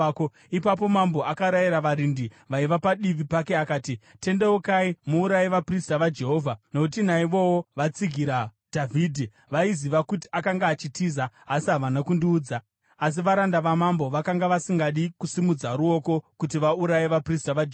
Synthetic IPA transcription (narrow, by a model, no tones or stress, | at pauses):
ko | ipap̬o̞mambo̞ʔakaɾajiɾaʋaɾindi | ʋaiʋapaɗiʋipake̞akaːtite̞ndewokaimuːɾajiʋapristaʋad͡ʒe̞ɦo̞ːvʱanokutinaiʋo̞woʋat͡siɡʱiɾa | d̥ʱavʱiːdʱi | ʋaiziʋakuti̥akaŋɡaːt͡ʃitiːzaːsiɦaʋanakundiːd͡zaː | s̬iʋaɾandaʋamambo̞ʋakaŋɡaʋasiŋɡaɗikusimud͡zaɾuo̞ko̞kutiʋauɾajiʋapristaʋad͡ʒe